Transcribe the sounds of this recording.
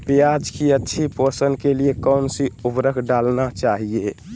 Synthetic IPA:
pejad͡ʒkiətːʃʰiposənkeliekəwnsiupɾəɡɖalnat͡ʃaɦie

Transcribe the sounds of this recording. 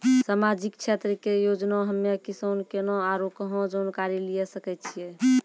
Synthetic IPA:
samad͡ʒikt͡ʃʰet̪ɾəkejod͡ʒnaɦəmːekisonkenoaɾokəɦɔ̃d͡ʒonkaɾilijɛsəkɛt̪t͡ʃʰije

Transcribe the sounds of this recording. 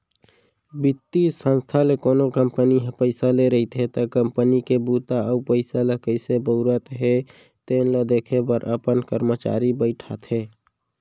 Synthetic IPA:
bɪt̪ːisə̃nst̪ʰalekoːnokəmpəniɦpəɪsaleɾəɦit̪ɦet̪əkəmpənikebut̪aəupəɪsalekəɪsebəʊɾət̪ɦe | t̪enled̪eːkʰebəɾʔəpənkəɾmət͡ʃa̰ːɾibəɪʈʰat̪ʰɦeː

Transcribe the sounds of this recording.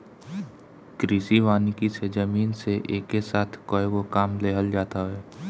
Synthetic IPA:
kɾiːsiʋaːnikised͡ʒəmiːnseʔeːkːesaːt̪ʰkoːewokaːmleɦəld͡ʒaːt̪aɦɛː

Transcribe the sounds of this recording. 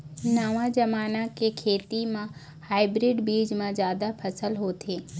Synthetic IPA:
naːʋãd͡ʒɐmaːnakekʰeːt̪imã | haːɪbɾɪɖbiːd͡ʒmãzjaːd̪apʰɐsəlɦoːt̪ʰeː

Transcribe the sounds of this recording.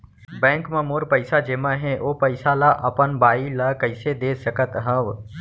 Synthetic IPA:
bɛ̃ːŋkmẽmoːɾpəɪsad͡ʒeːmãɦɛ̃ʔoːpəɪsalaʔɐpənbaːilakəɪsed̪eːsəkət̪ɦə̃ʋ

